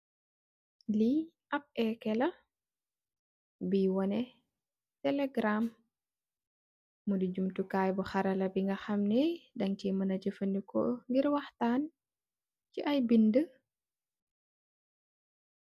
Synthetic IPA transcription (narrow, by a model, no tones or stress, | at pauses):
li | ʔɐp̚ɛkɛlɐ | biwɔnɛ | tɛlɛɡɾam | udiɟumtukaːjbuxɐɾɐlɐbiŋɡɐxɐmnɛdɐŋcimɐnɐɟəfəndikɔŋɡiɾwɐxtaːn | ciʔɐjbində